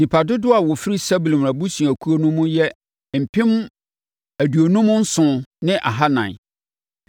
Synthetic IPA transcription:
nĩ˨pʰa˨dʊ˦dʊ˦a˨wʊ˨fɪ˦ɾi˦sɛ˦bu˨lm˨a˨bu˦sũ˨æ˨kʰu˦o˦nʊ̃˦mũ˦jɛ˦ | m̩˨pʰɪ̃˦m | æ˨du˨o˨nũ˦mʊ̃˦n̩˦sʊ̃˨nɪ̃˦ʔa̰˨ɦa˦nã̰˨

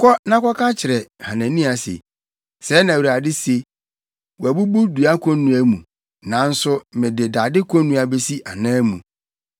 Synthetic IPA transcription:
kʰɔ˦nã˦kʰɔ˦kʰa˦t͡ɕʰɪ˨ɾɛ˨hã˨næ̃˨nĩ˦a˨sḛ˨ | sɛ˨˦nã˨wu˨ɾa˨dɪ˦se˨ | wɔ˨æ˨bu˦bu˦du˨a˦kʰɔ̃˦n˦nũ˨æ˦mũ˨ | nã˨˦n̩˦sʊ˦mɪ̃˨de˨da˨dɪ˦kʰɔ̃˦nũ˦a˨be˦si˦ʔa˨nãː˦mũ˨

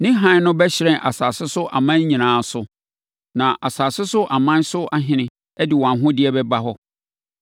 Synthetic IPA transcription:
nɪ̃˦ɦã˦n˦nʊ̃˦bɛ˦ɕɪ˨ɾɛ̃˦˨ʔa˨saː˨sɪ˦sʊ˦ʔa̰˨mã˦n˦ɲĩ˨nãː˨˦sʊ˦ | nã˨ʔa˨saː˨sɪ˦sʊ˦ʔa˨mã˦n˦sʊ˦a˦ɦɪ̃˦nɪ̃˦ | ɛ˦dɪ˨wã˨nɦʊ̃˦dɪ˦ɛ˦bɛ˦ba˦ɦɔ˦

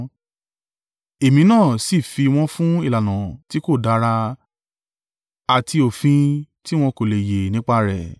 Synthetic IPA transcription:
e˨mĩ˨˧˦nãː˦˨si˦˨fi˧w̃ɔ̃˦fũ˦i˦˨la˨nã˨ti˨˦ko˦˨da˧˦ɾa˧ | a˨ti˧o˨fĩ˧ | ti˦w̃ɔ̃˧ko˨le˨je˨nĩ˦k͡pa˧ɾɛ˨

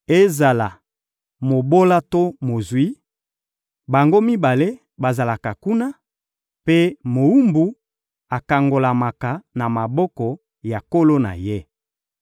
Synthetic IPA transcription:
e˦za˨la˨ | mo˨bo˦la˦to˦mo˨zwi˦ | ba˨ŋɡo˦mi˦ba˨le˦ | ba˨za˨la˨ka˨ku˦na˦ | pe˦mo˨wu˦mbu˨ | a˨ka˨ŋɡo˨la˨ma˨ka˨na˨ma˨bɔ˦kɔ˨ | ja˨ko˦lo˦na̰˨je˦

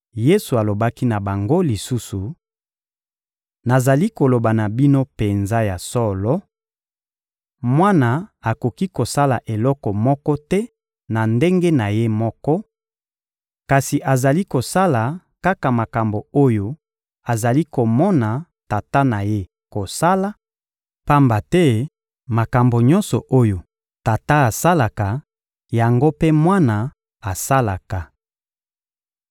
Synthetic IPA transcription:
je˦su˨a˨lo˨ba˦ki˦na˨ba˨ŋɡo˦li˨su˦su˨ | na˨za˨li˦ko˨lo˨ba˨na˨bi˦no˦pe˨nza˦ja˨sɔ˦lɔ˦ | mwa˦na˨a˨ko˨ki˦ko˨sa˦la˨ʔe˨lɔ˦kɔ˨mɔ˦kɔ˦tɛ˦ | na˨nde˦ŋɡe˦na˨je˦mɔ˦kɔ˦ | ka˨si˨ʔa˨za˨li˦ko˨sa˦la˨ | ka˦ka˨ma˨ka˨mbo˨o˦jo˦ | a˨za˨li˦ko˨mɔ˦na˨ | ta˨ta˦na˨je˦ | ko˨sa˦la˦ | pa˦mba˨tɛ˦ | ma˨ka˨mbo˨ɲɔ̃˦nsɔ˨ʔo˦jo˨ | ta˨ta˦a˨sa˦la˨ka˨ | ja˨ŋɡo˦pe˦mwa˦na˨ | a˨sa˦la˨ka˨

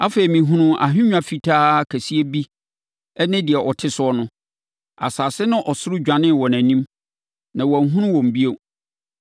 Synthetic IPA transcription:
a˦fe˨i˨mĩ˨ɦũ˦nũ˦ʔa̰˨ɦᶣɪ̃˦ɲᶣã˨fi˨tʰaː˦kʰæ˨si˦e˦bi˦ | ɛ˦nɪ̃˦dɪ˨ɛ˨ʔɔ˨tʰɪ˦sʊ˦ɔ˦nʊ̃˦ | a̰˨saː˨sɪ˦nʊ̃˦ʔɔ˨sʊ˦ɾʊ˦d͡ʑᶣã˨nɪ̃˦˨wɔ˨næ̃˨nĩ˦m | nã˨wɔ˨n˦ɦũ˦nʊ̃˦wɔ̃˨m˨bi˦o˦

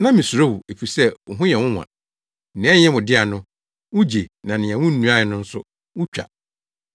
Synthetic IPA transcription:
nã˦mɪ̃˨su˨ɾo˦wu˨e˨fi˨sɛ˦ʊ˨ɦʊ̃˦jɛ˨wʊ̃˦wã̰˨ | n̩˨nɪ̃˦ɛ˦ɲɛ̃˦mʊ̃˨dɪ˦a˨nʊ̃˦ | wʊ˦d͡ʑe˨nã˨nɪ̃˨ɛ̃˨wʊ̃˦n̩˦nːũ˨˦a˦ɪ˨nʊ̃˦n̩˦sʊ˦ | wʊ˦t͡ɕᶣa̰˨

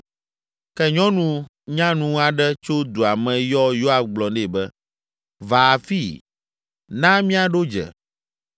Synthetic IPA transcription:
kɛ˦ɲɔ̃˦nũ˦ | ɲã˦nũ˦a˨ɖɛ˦t͡ʃo˦d̪o˨a˨mɛ̃˨jɔ˦jo˦a˦fɡ͡blɔ̃˨ɖe˨bɛ˦ | va˨fi˦˨ | nã˦mĩ˦a˨ɖo˦d͡ʒɛ̰˨

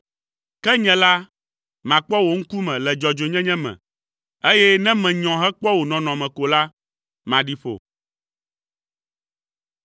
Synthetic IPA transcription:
kɛ˦ɲɛ̃˨la˦ | mã˨k͡pɔ˦wo˨ŋ̩˦ku˦mɛ̃˨lɛ˨d͡ʒɔ˨d͡ʒo˨ɲɛ̃˦ɲɛ̃˦mɛ̰̃˨ | e˦jɛ˦nɛ̃˦mɛ̃˨ɲɔ̃˨ɦɛ˦k͡pɔ˦wo˨nɔ̃˨nɔ̃˨mɛ̃˨ko˨la˦ | mã˨ɖi˦ɸo̰˨

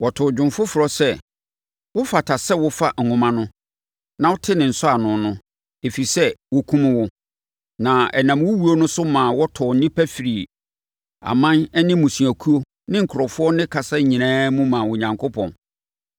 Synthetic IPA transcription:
wɔ˨tʰʊ˨d͡ʑᶣʊ̃˨mfʊ˦fʊ˨ɾɔ˨sɛ˦˨ | wʊ˦fa˨tʰa˨sɛ˦wʊ˦fa˦ŋ̩˨ʊ̃˨mã˦nʊ̃˦ | nã˨wʊ˦tʰɪ˦nɪ̃˨n̩˨sʊ˦a˨nʊ̃˨nʊ̃˦ | e˨fi˨sɛ˦wo˦kʰũ˦m˦wʊ˦ | nã˨ɛ˨nã˨mwʊ˦wu˦o˦nʊ̃˦sʊ˦mãː˨wɔ˦tʰɔ˨n̩˦nĩ˦pʰæ˦fi˨ɾi˨ | a̰˨mã˦nɛ˦nɪ̃˦mũ˨su˨æ˨kʰu˦o˦ | nɪ̃˦ŋ̩˨kʰʊ˨ɾɔ˨fʊ˦ɔ˦nɪ̃˦kʰa˨sa˦ɲĩ˨nãː˦mũ˦mã˨wʊ̃˨ɲã˨ŋkʰʊ˦pʰɔ̰̃˨n

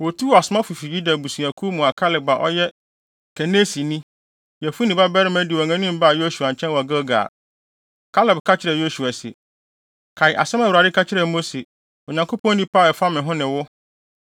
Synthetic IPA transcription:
wo˨tʰu˦˨a˨sʊ˨mã˦fu˨fi˨ji˦da˨bu˨sũ˨æ˨kʰu˦mũ˨a˨kʰa˦lɪ˨ba˨ʔɔ̰˦jɛ˦ | kʰɛ˨ne˦si˨nĩ˦ | jɛ˨fu˦nĩ˨ba˦bɛ˦ɾɪ˦mæ˦dɪ˨ɔ˨ŋã˦nĩ˦m˦ba˦˨jo˦su˨a˨ɲ̩˨t͡ɕʰɛ̃˦nwɔ˨ɡa˦ɡa̰˨ | kʰa˦lɪ˨bkʰa˦t͡ɕʰɪ˦ɾɛ˨jo˦su˨a˨sḛ˨ | kʰa˨ɪ˨ʔa̰˨sɛ̃˦mã˨wu˨ɾa˨dɪ˦kʰa˦t͡ɕʰɪ˦ɾɛ˨mo˦se˨ | o˨ɲã˨ŋkʰo˦pʰɔ̃˦nĩ˦pʰa˦˨ɛ˨fa˦mɪ̃˨ɦʊ̃˦nɪ̃˨wʊ˦

